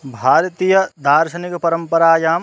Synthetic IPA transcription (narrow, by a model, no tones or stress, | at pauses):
bʱaːɾt̪ijɐd̪aːɾʃɐnikpɐɾɐmpɐɾaːjaːm